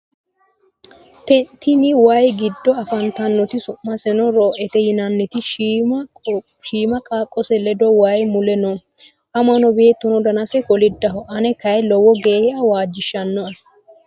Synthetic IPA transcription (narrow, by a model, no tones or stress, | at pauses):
t̪ɛnt̪ːɪnɪwajɡɪd̪ːɔɐfɐnt̪ɐnːɔt̪ɪsʊmːɐsɛnɔɾoːʔɛt̪ɛjɪnɐnːɛt̪ɪʃ | ʃiːmɐkʼaːkʼːɔsɛlɛd̪ɔwajmʊlɛnɔ | ʔɐmɐnɔbe̞ːt̪ːɔnɔd̪ɐnɐsɛkɔlɪd̪ːɐɦɔʔɐnɛkɐjlɔwɔɡeːhɛʔɐwaːd͡ʒːɪʃːɐnːɔɐ